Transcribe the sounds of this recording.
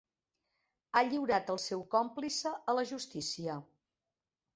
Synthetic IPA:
aʎiwɾat̪əlˠsɛwkɔmplisəələʒust̪isiə

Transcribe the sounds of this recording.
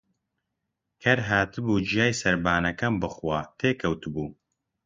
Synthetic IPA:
kʰɐɾɦaːt̪ɨbuːd͡ʒijaːjsɐɾbaːnɐkɐmbɨχwaːt̪ʰeːkʰɐwt̪ɨbuː

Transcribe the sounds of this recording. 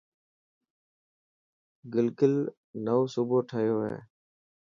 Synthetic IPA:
ɡɪlkʊl | nəʋoːsuːboːʈʰəɦjoːɦḛː

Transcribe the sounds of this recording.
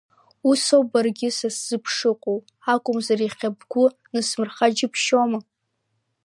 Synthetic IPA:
usobarɡʲɪsasz̥ɨpʰʂɨqʷʼow | akʷʼʊmzariχʲabɡʷʊ | nɨsmɨrχad͡ʒɪpʰʃoma

